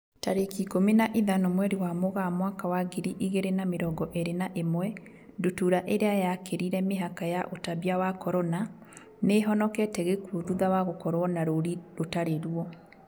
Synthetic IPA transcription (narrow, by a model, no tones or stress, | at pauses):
taɾekikominaʔiðanomwɛɾiwamoɣamwakawaɡiɾiʔiɣeɾenameɾɔːɡɔʔeɾenaʔemwɛ | ndutuɾaʔeɾeajakeɾiɾɛmeɦakajaʔotaβjawakɔɾɔna | neɦɔnɔkɛtɛɣekuðuðawaɣokɔɾwɔnaɾoɾiɾotaɾeɾuɔ